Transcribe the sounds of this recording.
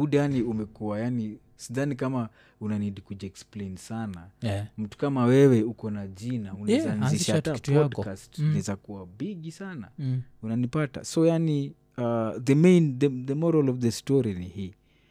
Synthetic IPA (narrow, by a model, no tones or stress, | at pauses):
udjaniumɛkuwajani | siðanikama | unanidikud͡ʒɛksplejnsanam̩tu̥kamawɛwɛukɔnad͡ʒinaunɛzanziʃatapɔdkastnɛzakuwabiɡisanaunanipata̰sɔjani | aðəmejnðəðəmɔɾɔlɔvðəstɔɾinihi